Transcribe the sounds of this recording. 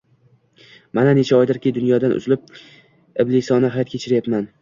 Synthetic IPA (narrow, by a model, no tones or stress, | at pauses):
manane̞t͡ʃʰaɒjd̪ɪɾkʲɪd̪ʊnjɒd̪anʊ̰zlɪp̚ | ɪblɪsɒnɪɦajɒt̪kʰʲet͡ʃʰɪɾjap̪man